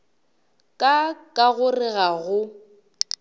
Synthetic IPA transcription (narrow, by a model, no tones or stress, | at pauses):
kʼakʼaɣʊrɪɣaɣʊ